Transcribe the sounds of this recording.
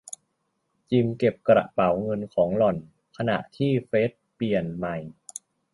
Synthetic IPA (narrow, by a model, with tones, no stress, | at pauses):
t͡ɕi˧mke˨˩p̚kɾa̰˨˧˩ʔpa˩˦wŋɤ˧nkʰɔː˩˦ŋlɔ˨˩n | kʰa˧na̰˨˩ʔt̪ʰiː˥˩feː˦˥t̪̚pi˨˩ənma˨˩j